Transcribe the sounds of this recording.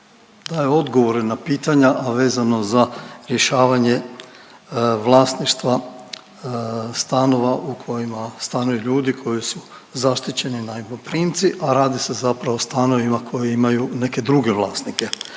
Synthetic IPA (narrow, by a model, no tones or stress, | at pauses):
d̪ajeo̞d̪ɡoʋo̞ɾenapiːt̪aɲaʔaʋe̞ːzano̞zaɾje̞ʃaːʋaɲe̞ | ʋlˠaːst̪niʃt̪ʋa | st̪ano̞ʋaʔukʰo̞jimast̪anujuʎuːd̪ikʰo̞jisu | zaʃt̪it͡ɕe̞ninaimopɾiːnt̪siʔaɾaːd̪ise̞zapɾaʋost̪ano̞ʋimakʰo̞jeimajune̞ke̞d̪ɾuɡe̞ʋlˠaːsnike̞